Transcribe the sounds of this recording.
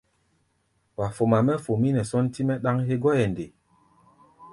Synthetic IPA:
wa˨fo˨ma˨mɛ˦fo˨mi˦nɛ˨sɔ˦nti˦mɛ˦ɗa˦ŋɦe˦ɡɔ˦jɛ˨nde˨

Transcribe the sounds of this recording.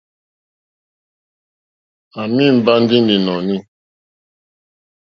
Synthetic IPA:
a˨mi˦m̩˦ba˦n̩˦di˦n˦di˨nɔ˨ni˦

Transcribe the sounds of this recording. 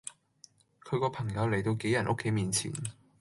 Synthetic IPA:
kʰɵ˨˧kɔː˧pʰɐ˨˩ŋjɐ˨˧wle˨˩jt̪o˧wke˨˥jɐ˨˩nʔo˥kʰːe˨˥jmiː˨˧nt͡sʰḭː˨˩n

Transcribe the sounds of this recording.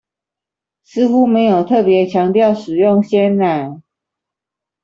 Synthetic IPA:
s̩˥xu˦me˧˥ɪjo˨˩ʊt̪ʰɤ˥˩pjɛ˨˦t͡ɕʰjɑ˧˥ŋt̪jɑ˥˩ʊʂɻ̩˨˩jʊ˥˨ŋɕjɛ˥nɻa˨˩˦n

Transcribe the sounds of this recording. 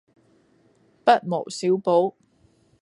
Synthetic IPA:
pɐ˥t̚mo̰˨˩wsiː˨˥wpo˨˥w

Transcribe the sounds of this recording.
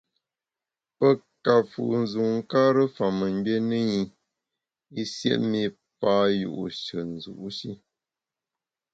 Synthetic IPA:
pə˦ | ka˨fṵ˨ʔn̩˨zu˨ŋ̩˦ka˦ɾə˦fa˨mə˨m˦be˦nɨ˦ɲi˦ | i˦sjḛ˦ʔmi˦ | pa˦jṵ˨ʔṵ˨ʃɨ˨n̩˨zṵ˨ʔu˦ʃi˦

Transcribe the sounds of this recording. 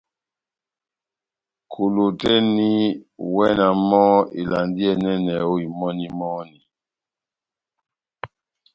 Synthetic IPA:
kʰu˨lo˨tɛ˦ni˦wɛ˦na˨mɔ˦ḭ˨la˨ndi˦ɛ˦nɛ˦nɛ˨o˦i˨mɔ˦ni˦mɔ˦ni˨

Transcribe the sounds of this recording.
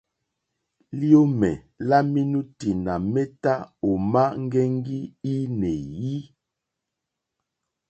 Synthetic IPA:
li˦o˦mɛ˨ | la˦mi˦nu˦ti˨na˨mɛ˦ta˦o˨ma˦ŋ˦ɡɛ˦ŋ˦ɡi˦i˦nɛ˨ji˦

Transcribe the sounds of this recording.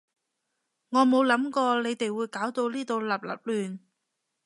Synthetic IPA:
ŋɔː˨˧mo˨˧wlɐ˨˥mkɔː˧le˨˧jt̪e˨jwuː˨˧jkaː˨˥wt̪o˧wliː˥t̪o˧wlɐ˨˩p̚lɐ̰˨˩p̚lyː˨˩n

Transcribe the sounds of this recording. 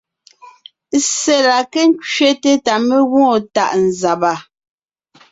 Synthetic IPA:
se˨la˨ke˦n˦t͡ʃɥe˦te˦ta˨me˦ɣɔ̃˦˨ta̰˦˨ʔn̩˨za˨ba˨

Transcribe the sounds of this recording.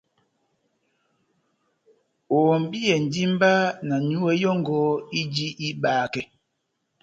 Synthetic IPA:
oː˨m˨bi˦ɛ˨n̩˨di˦m̩˦ba˦na˨nu˦wɛ˦jɔ˦ŋɡɔ˦i˦d͡ʒi˦ʔi˦baː˨kɛ˨

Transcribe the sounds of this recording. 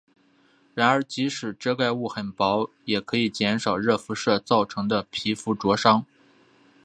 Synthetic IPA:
ɻa˧˥nə˞˧˥t͡ɕi˧˥ʂɻ̩˨˩ʈ͡ʂɤ˥ka˥˧ɪu˥˩xə˨˩npɑ˧˥ʊ | jɛ˨˩kʰɤ˧˥i˨˩t͡ɕjɛ˧˥nʂɑ˨˩ʊɻɤ˥˩fu˧˥ʂɤ˥˧t͡sɑ˥˩ʊʈ͡ʂʰɤ˧˥ŋd̪ə˧pʰi˧˥fu˧˥ʈ͡ʂwɔ˧˥ʂɑ˥ŋ

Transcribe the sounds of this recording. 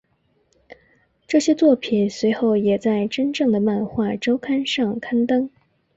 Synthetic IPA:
ʈ͡ʂɤ˥˩ɕjɛ˥t͡swɔ˥˩pʰi˨˩nswe˧˥ɪxo˥˩ʊjɛ˨˩t͡sa˥˩ɪʈ͡ʂə˥nʈ͡ʂɤ˥˩ŋd̪ə˩ma˥˧nxwa˥˩ʈ͡ʂo˥ʊkʰa˥nʂɑ˥˩ŋkʰa˥nt̪ɤ˥ŋ

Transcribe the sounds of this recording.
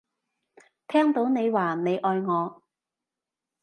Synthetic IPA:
t̪ʰɛː˥ŋt̪o˨˥wne˨˧jwaː˨˩ne˨˧jʔɔː˧jŋɔː˨˧

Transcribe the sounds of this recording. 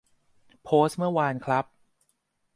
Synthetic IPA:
pʰoː˦˥stmɯ˥˩ɐwaː˧nkʰɾa˦˥p̚

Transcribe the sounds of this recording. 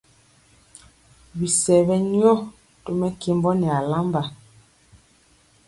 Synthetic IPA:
bi˨sɛ˨βɛ˦ɲ˦ɔ˦ | to˦mɛ˦ke˦mbɔ˦nɛ˨a˨la˦mba˨

